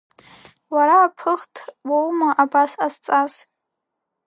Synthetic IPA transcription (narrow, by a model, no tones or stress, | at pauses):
waɾaːpʰɨχtʰwowmaʔabasazt͡sʼaz̥